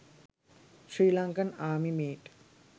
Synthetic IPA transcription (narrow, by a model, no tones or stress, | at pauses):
ʃɾiːlɐŋkɐnaːmimeːʈ